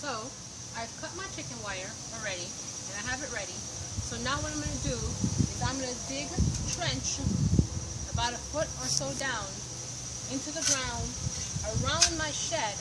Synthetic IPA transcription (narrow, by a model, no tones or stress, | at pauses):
soʊ | aɪɨv̥kʰʌt̚maɪt͡ʃʰɪkɨ̃nwaɪə˞ | l̩ˠɹɛɾi | ɨ̃naɪɨvɨt̚ɹɛɾi | soʊnaʊwʌɾãɪ̃mɡʌ̃nɨdɨɨzãɪ̃mʌɨzbɪɡtʰɹ̥ɛ̃nt͡ʃ | əbaʊɾɨfʊɾə˞soʊdãʊ̃n | ɪ̃ntʉðɨɡɹãʊ̃ndəɹãʊ̃nmaɪʃɛd